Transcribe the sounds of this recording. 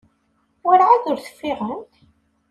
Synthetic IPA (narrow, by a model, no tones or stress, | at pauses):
wʊɾʕaðʊɾθə̥fːɪʁənt̪